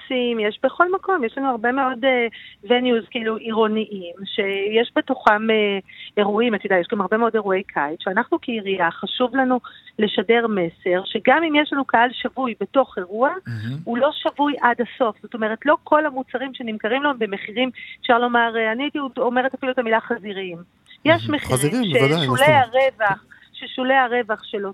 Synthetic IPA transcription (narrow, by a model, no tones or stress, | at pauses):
simjeʃbe̞χo̞lmako̞mjeʃlanuaʁbe̞me̞o̞devenjuzkiiluʔiʁo̞niʔimʃe̞jeʃbe̞toχameeʁuimat̪idajeʃɡamaʁbe̞meo̞de̞ʁue̞jkʰajtʃeanaχnukʰeiʁiaχaʃuvlanule̞ʃade̞ʁme̞se̞ʁʃe̞ɡamimjeʃlanukaalʃavujbe̞to̞χe̞ʁuaulo̞ʃavujʔadaso̞fz̥o̞to̞me̞ʁ̞etlo̞kʰo̞lamut͡saʁimʃe̞nimkaʁimlanbe̞me̞χiʁimefʃaʁlo̞maʁeaniajit̪iudome̞ʁetafiluet̪amilaχaziʁim | jeʃmeχiʁimʃeʃuleaʁevaχ | ʃeʃuleaʁe̞vaχʃelo